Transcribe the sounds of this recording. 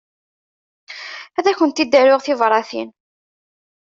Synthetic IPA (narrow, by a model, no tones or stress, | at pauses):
æðæçənt̪id̪ːæɾʊʁθɪvɾˤɑθḭn